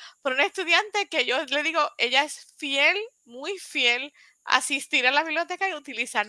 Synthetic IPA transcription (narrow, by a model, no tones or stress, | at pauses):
poɾunaest̪uðjant̪e̞ke̞ʝo̞le̞ðiɣo̞ʔe̞ʝae̞sfje̞l | mujfje̞l | a̰sist̪iɾalaβiβlijo̞t̪e̞kaiut̪ilisan